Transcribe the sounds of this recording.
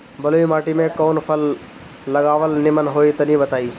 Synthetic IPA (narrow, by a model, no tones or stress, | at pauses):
bɐloːimaːʈimẽkoːnpʰəlː | əɡaːʋəlnɪmənɦoːit̪ɐnĩbət̪aːiː